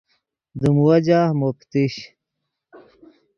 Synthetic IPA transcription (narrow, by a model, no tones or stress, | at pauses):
d̪umwɐd͡ʑamopt̪iɕ